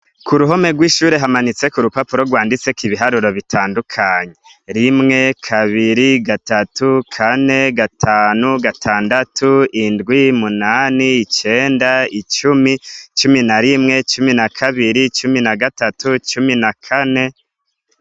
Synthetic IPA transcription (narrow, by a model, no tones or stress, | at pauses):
kuɾuɦo̞me̞ɡwiːʃuːɾe̞ɦamanit͡se̞kuɾupapuɾo̞ɡwaːndit͡se̞kiβiɦaɾuɾo̞βitʰaːndukʰaɲe̞ | ɾimŋe̞kʰaβiɾiɡatatukʰane̞ɡatʰaːnuɡatʰaːndatʰuindɡwimunaːniːt͡ʃe̞ːndait͡ʃumit͡ʃuminaɾimŋe̞t͡ʃuminakʰaβiɾit͡ʃuminaɡatatut͡ʃuminakʰane̞